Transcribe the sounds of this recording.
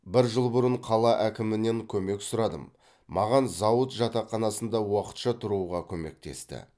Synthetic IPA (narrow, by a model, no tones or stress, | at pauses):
bɪɾʒəlˠbʊɾəɴqʰɑlˠɑʔækʲɪmɪne̞ŋkʲʰɵme̞ksʊɾɑd̪əmː | ɑʁɑnzɑwət̪ʒɑt̪ɑqːɑnɑsənd̪ɑwɑqə̥t̪ʃɑt̪ʰʊɾuʁɑkʲʰɵme̞̰k̚t̪e̞̰st̪ɪ̰